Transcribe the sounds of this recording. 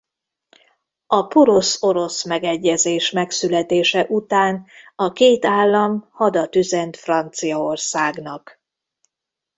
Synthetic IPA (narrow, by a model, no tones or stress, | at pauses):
ɒpoɾo̞so̞ɾo̞smɛɡɛɟːɛzeːʃmɛksylɛt̪eːʃɛʔut̪aːnɒkeːt̪aːlːɒmhɒd̪ɒt̪yzɛnt̪frɒnt̪sijɒorsaːɡnɒk